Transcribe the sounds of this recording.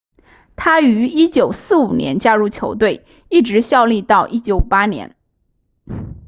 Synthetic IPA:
t̪ʰa˥y˧˥i˥t͡ɕjo˨˩ʊsɹ̩˥˩u˨˩njɛ̰˧˥nt͡ɕja˥ɻu˥˩t͡ɕʰjo˧˥ʊt̪̬we˥˧ɪ | i˥˩ʈ͡ʂɻ̩˧˥ɕjɑ˥˧ʊli˥˧t̪ɑ˥˩ʊʔi˥t͡ɕjo˧˥ʊu˨˩pa˥njɛ̰˧˥n

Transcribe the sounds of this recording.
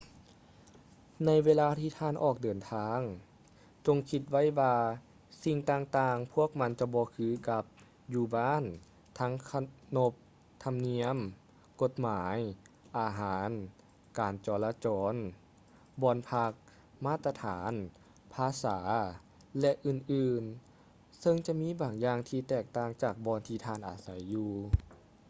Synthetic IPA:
na˧˥jʋeː˧laː˧t̪ʰiː˧t̪ʰaː˧˥˨nʔɔː˨˩k̚dɤː˨˩nt̪ʰaː˧ŋ | t͡ɕo˧ŋkʰi˧t̪̚ʋa˥˨jwaː˧ | si˧˩ŋt̪aː˧ŋt̪aː˧˩ŋpʰu˥˩ək̚ma˧˥nt͡ɕa˧˩bɔː˧kʰɯː˧˨ka˧p̚ | juː˧baː˧˥˨n | t̪ʰa˧˥ŋkʰa˧no˧˦p̚ | t̪ʰa˧mni˧˥əm | ko˧˦t̪̚maː˩˦j | ʔaː˨˩ɦaː˩˦n | kaː˨˩nt͡ɕɔː˨˩laː˧t͡ɕɔː˨˧n | bɔː˧npʰa˧˥k̚ | maː˧˥˩t̪a˧t̪ʰaː˩˨˦n | pʰaː˧saː˩˦ | lɛ˧ʔɯː˧˩nʔɯː˨˧˩n | sɤ˧ŋt͡ɕa˧miː˧˥˨baː˨˩ŋjaː˧ŋt̪ʰiː˧t̪ɛː˧˩k̚t̪aː˧ŋt͡ɕaː˧˨˩k̚bɔː˧˥nt̪ʰiː˧˩t̪ʰaː˧˩˨nʔa̰ː˨˩sa˨˦jːuː˧˩

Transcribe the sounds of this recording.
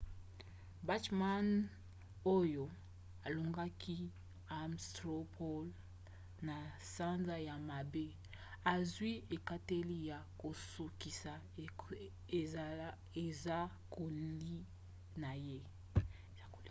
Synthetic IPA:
ba˦tma˦n | o˦jo˨ | a˨lo˨ŋɡa˦ki˦ | a˨mstʁo˦pʰo˦l | na˨sa˦nza˦ja˨ma˨be˦ | a˨zwi˦e˨ka˦te˦li˦ja˨ko˨su˨ki˨sa˨ | e˨za˦ | kʰo˨li˦ | na˨je˦˨ | a˦ko˨l

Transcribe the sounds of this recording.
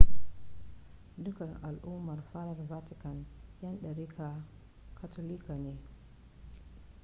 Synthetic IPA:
dʊ˦ka˨nʔa̰˨lʔu˦ma˨rfa˦ɾa˦nva˦tɪ˦ka˨nja˦nɗa˨ɾi˦kʰa˨ | kʰa˨tʰo˦li˦ka˨ne˨

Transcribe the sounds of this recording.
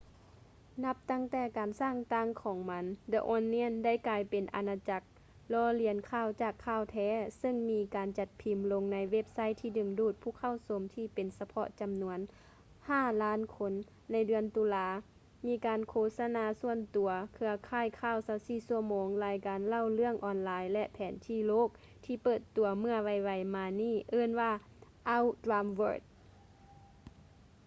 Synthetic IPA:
na˧˥p̚t̪a˧˥˩ŋt̪ɛː˧˩kaː˨nsaː˧˥˩ŋt̪a˧˥˨ŋkʰɔː˨˦ŋma˧˥nda˧ʔɔː˧nːi˧˥ə˨nda˥˩˨jkaː˨˧jpe˨nʔa̰˨˧naː˧t͡ɕa˧˩k̚ | lɔː˧˦li˧ənkʰaː˧˩˨wt͡ɕaː˧˨˩kʰːaː˧˩˨wt̪ʰɛː˧˩sɤ˧˨ŋmiː˧kaː˨nt͡ɕa˧t̪̚pʰi˨˩mlo˧ŋna˧˥jwe˦˧˥p̚sa˦˧˥jt̪ʰiː˧˩dɯ˨˩ŋduː˧˩t̪̚pʰuː˧˥˨kʰa˧˥˨wso˧˦mt̪ʰiː˧˩pe˨nsa˧pʰɔ̰˧ʔt͡ɕa˨mnu˧˥ən | haː˧˥˩laː˧˥˨nkʰo˧˥nː | a˧jdɯ˨˧ənt̪uː˨laː˧˦ | miː˧˥kaː˨nkʰoː˧˩t̪̚sa˧naː˧˦su˧˩ənt̪u˨ɐkʰɯ˧ɐkʰaː˧˩˨jkʰaː˧˥˩wsaː˧˥wsiː˧˩su˧ɐmoː˨˦ŋlaː˨˧˦jkaː˨nla˧˥˨wlɯ˥˧əŋʔɔː˨nlaː˨˧jlɛ˧ʔpʰɛː˨˦nt̪ʰiː˧˩loː˥˨k̚ | t̪ʰiː˧pɤː˧˩t̪ːu˨˩ɐmɯ˧ɐʋa˧˩jʋa˧˩jmaː˧niː˥˩ʔɤː˧˥˨nʋaː˧ | ʔa˧˥˨wdɾaː˧mwɤː˧˩t̪̚

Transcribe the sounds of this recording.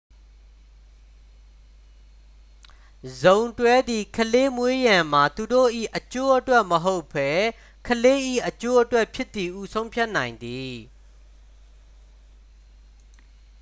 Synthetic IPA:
zõ˨ʊ̃ntwɛ˦d̪i˨kʰəle˦mwe˦jã˨m̥a˨t̪u˨do̰˦˨ʔḭ˦˨ʔət͡ɕo˦ʔətwɛ˦ʔməɦo˦ʊpʰːɛ˦ | kʰəle˦ʔḭ˦˨ʔət͡ɕo˦ʔətwɛ˦ʔpʰjɪ˦t̪ːi˨ʔu˦sʰõ˦ʊ̃mpʰja˦ʔnã˨ɪ̃nd̪i˨

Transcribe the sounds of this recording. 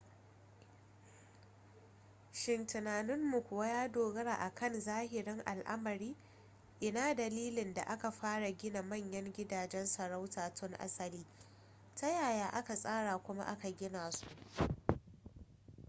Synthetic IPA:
ʃɪ˨ntɪ˨naː˨nɪ˦mːu˨kʷʊ˨wa˦jaː˦doː˨ɡɐ˦ɾa̰ː˨ʔa˨kʰɐ˦˨nzaː˦hɪ˨ɽɪ˦ŋʔa̰˨lʔa̰˦mɐ˨ɾiː˦ | ʔɪ˨naː˦dɐ˨liː˦lɪ˨nda˨ʔa˦ka˨ɸaː˦ɽa˨ɡʲɪ˦na˨mɐ˦˨ɲjɐ˦ŋɡʲɪ˦daː˨d͡ʒɛ˦nsɐ˨ɾa˦wtaː˨tʰʊ˦ŋʔa̰˦sɐ˨liː˦ | ta˦jaː˨jaː˨˦ʔa˦ka˨sʼaː˦ɽaː˨kʷʊ˦ma̰˦ʔa̰˦ka˨ɡʲɪ˦naː˨su̥˨ʔ

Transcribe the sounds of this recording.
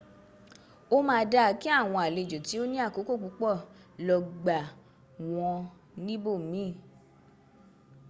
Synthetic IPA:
o˦mãː˧da˧˨˦ki˦a˦˨w̃ɔ̃˧a˨le˨˧˨d͡ʒo˨ti˨˦o˦nĩ˦a˦˨ko˨˦ko˦˨k͡pu˨˦k͡pɔ˦˨lɔ˧ɡ͡ba˨ | w̃ɔ̃˧ | nĩ˦bo˦˨mĩː˨˦˨

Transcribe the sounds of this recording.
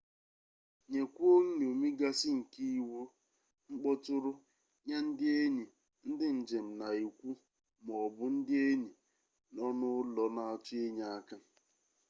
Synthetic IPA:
ɲe˨kʷu˦o˦ŋ̩˦n˨o˨me˦ɡa˦sɪ˦ŋ̩˨ki˦i˦wo˦ | ŋ͡m̩˦k͡pɔ˦tʊ˦ɾʊ˦ | ɲa˦n̩˦dɪ˦e˦ɲe˨ | n̩˦dɪ˦n̩˨d͡ʒe˨m̩˨na˨i˨kʷu˦ | m˨ɔ˨bʊ˦n̩˦dɪ˦e˦ɲe˨ | nɔ˦nʊ˦lɔ˨na˨a˨t͡ʃʊ˦e˦ɲa˦a˦ka˦

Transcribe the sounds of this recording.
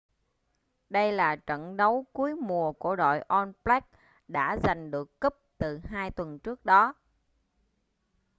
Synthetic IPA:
ɗə˧jlaː˨˩t͡ɕə̰˧˨nɗə˨˦wku˨˦əjmu˨˩əku˧˩əɗo̰˧˨jʔɔ˧nplɛ˦˥k̚ | ɗa̰ː˧˥za˨˩jŋ̟ɗɨ˨˩əkːə˦˥p̚t̪ɨ˨˩ɦaː˧jt̪wə˨˩nt͡ɕɨ˦˥ək̚ɗɔ˨˦

